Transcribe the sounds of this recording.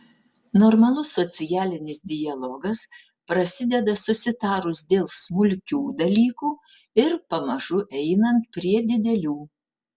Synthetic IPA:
nɔɾmɐlˠʊsːɔt̪sʲɪjæːlʲɪnʲɪsd̪ʲɪjɐlˠɔɡɐs | pɾɐsʲɪd̪ʲɛd̪ɐsʊsʲɪt̪ɑːɾʊsd̪ʲeːlˠsmʊlʲkʲuːd̪ɐlʲiːkuː | ɪɾpɐmɐʒʊʔɛɪnɐnt̪̚pʲɾʲiɛd̪ʲɪd̪ʲɛlʲuː

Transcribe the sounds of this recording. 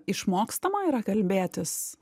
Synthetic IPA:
ɪʃmoːkst̪ɐmɐiɾɐkɐlʲbʲeːt̪ʲɪs

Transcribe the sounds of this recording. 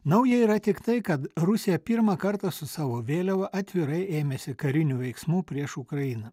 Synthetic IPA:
nɐʊjɛiːɾɐt̪ʲɪkt̪ɐɪkɐt̪ɾʊsʲɪjɛpʲiːɾmɐkɐɾt̪ɐsʊsɑːʋoːʋʲeːlʲɛʋɐʔɐt̪ʲʋʲɪɾɐɪʔeːmʲeːsʲɪkɐɾʲɪnʲuːʋʲɛɪksmuːpʲɾʲiɛʃʊkɾɐjɪnɐ

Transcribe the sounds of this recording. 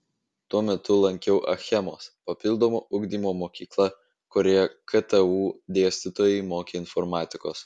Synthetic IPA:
t̪uɔmʲɛt̪ʊlˠɐŋʲkʲɛʊʔɐ̰xʲɛmoːspɐpʲɪlˠd̪oːmoːʔʊɡd̪ʲiːmoːmoːkʲiːklˠɐ | koɾʲejɛkʰɐt̪ɛuːd̪ʲeːsʲt̪ʲɪt̪oːjɛɪmoːkʲeːɪnfɔɾmɑːt̪ʲɪkoːs

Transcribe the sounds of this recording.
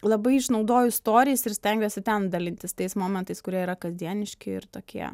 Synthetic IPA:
lˠɐbɐɪɪʃnɒʊd̪oːjʊɪst̪oːɾʲɪjɛsɪɾsʲt̪ʲɛŋʲɡʲosʲɪt̪ʲɛnd̪ɐlʲɪnʲt̪ʲɪst̪ɐɪsmoːmʲɛnt̪ɐɪskʊɾʲiɛiːɾɐkɐzʲd̪ʲiɛnʲɪʃʲkʲɪɪ̰ɾt̪oːkʲiɛ̰

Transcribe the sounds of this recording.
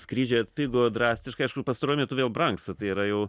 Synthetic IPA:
skɾʲiːd͡ʒʲɛɐt̪ʲpʲɪɡoːd̪ɾɑːsʲt̪ʲɪʃkɐɪɪʃkʊpɐst̪ɐɾoːjmʲiɛt̪ʊʋʲeːlˠbɾɐŋkst̪ɐt̪ɐɪiɾɐjɛʊ

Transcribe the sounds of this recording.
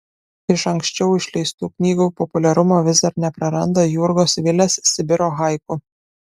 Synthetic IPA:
ɪʃɐŋʲksʲt͡ʃʲɛʊɪʃʲlʲɛɪst̪uːknʲiːɡuːpɔpʊlʲɛɾʊmoːʋʲɪzd̪ɐɾnʲɛpɾɐɾɐnd̪oːjuɾɡoːsʋʲɪlʲesːʲɪbʲɪɾoːɣɑˑɪkʊ

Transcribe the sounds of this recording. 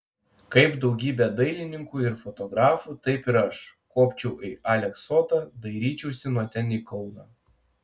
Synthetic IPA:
kɐɪpd̪ɒʊɡʲiːbʲɛd̪ɐɪlʲɪnʲɪŋkuːɪɾfɔt̪ɔɡɾɑːfuːt̪ɐɪpɪɾɐʃkoːpʲt͡ʃʲɛʊʔɪʔaːlʲɛksoːt̪ɐd̪ɐɪɾʲiːt͡ʃʲɛʊsʲɪnuɔt̪ʲɛnʲiːkɔʊnɑː

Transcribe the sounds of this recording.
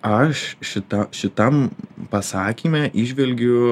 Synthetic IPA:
ɐʃʃʲɪt̪ɐʃʲɪt̪ɐmpɐsɑːkʲiːmʲɛʔɪʒʲʋʲɛlʲɡʲʊ

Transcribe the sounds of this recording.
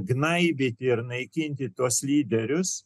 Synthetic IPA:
ɡnɐɪbʲɪt̪ʲɪɪɾnɐɪkʲɪnʲt̪ʲɪt̪uɔslʲiːd̪ʲɛɾʲʊs

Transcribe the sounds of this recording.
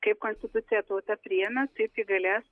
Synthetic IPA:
kep̚konst̪it̪ut͡sijat̪ot̪apɾiɛnat͡s̪epiɡəlʲas

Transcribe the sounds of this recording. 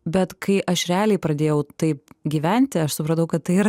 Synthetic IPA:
bʲɛt̪kʰɐɪʔɐʃɾʲɛɑːlʲɛɪpɾɐd̪ʲeːjɛʊt̪ɐɪp̚ɡʲiːʋʲænʲt̪ʲɪɐʃsʊpɾɐnt̪ɐʊkɐt̪t̪ːɐɪiɾ

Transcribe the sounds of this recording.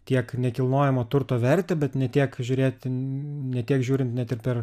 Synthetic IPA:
t̪ʲiɛknʲɛkʲɪlˠnoːjɛmoːt̪ʊɾt̪oːʋʲɛɾʲt̪ʲeːbʲɛt̪nʲɛt̪ʲiɛkʒʲʊːɾʲeːt̪ʲnʲɛt̪ʲiɛkʒʲuːɾʲɪnt̪nʲɛt̪ɪɾpʲɛr

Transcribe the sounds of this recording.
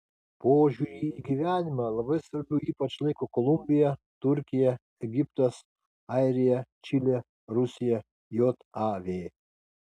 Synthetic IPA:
poːʒʲuɾʲiːiɡʲiʋʲæːnʲɪmɐlˠɐbɐɪsʋɐɾʲbʲʊiːpɐt͡ʃlˠɐɪkokɔlˠʊmʲbʲɪjɛ | t̪ʊɾʲkʲɪjɛ | ɛɡʲɪpt̪ɐs | ɑɪɾʲɪjɛt͡ʃʲɪlʲe | ɾʊsʲɪjɛ | jot̪ɑʋʲeː

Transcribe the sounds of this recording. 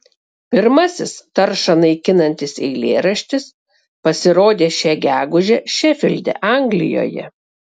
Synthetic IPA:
pʲɪɾmɐsʲɪst̪ɐɾʃɐnɐɪkʲɪnɐnʲt̪ʲɪsɛ̰ɪlʲeːɾɐʃʲt̪ʲɪs | pɐsʲɪɾoːd̪ʲeːʃʲæɡʲæːɡʊʒʲɛʃʲɛfʲɪlʲd̪ʲɛ̰ʔɑˑŋɡlʲɪ̰jo̰ːjɛ̰

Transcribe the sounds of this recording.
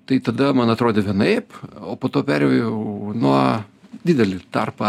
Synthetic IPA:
t̪ɐɪt̪ɐd̪ɐmɐnɐt̪ɾoːd̪ʲeːʋʲiɛnɐɪpoːpoːt̪oːpʲæɾʲjɛʊjɛʊnuɔd̪ʲɪd̪ʲɛlʲɪt̪ɑrpɐ

